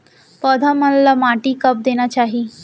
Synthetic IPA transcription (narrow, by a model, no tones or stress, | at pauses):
pɔd̪ʱamənlamaʈiːkəp̚d̪eñjat͡ɕaɦiː